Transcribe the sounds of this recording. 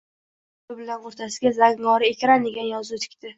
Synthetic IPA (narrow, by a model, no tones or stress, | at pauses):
bɪbɪlanoɾt̪ʰasɪɡʲazaɡŋɒɾɪekʲɾand̪e̞ɡʲanjɒzut̪ʰɪ̥kʲt̪ʰɪ